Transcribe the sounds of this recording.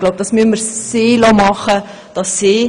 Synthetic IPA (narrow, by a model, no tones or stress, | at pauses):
ɡlob̚d̥ɑsmyənməɾseːlomɑχə | d̥ɑsːeː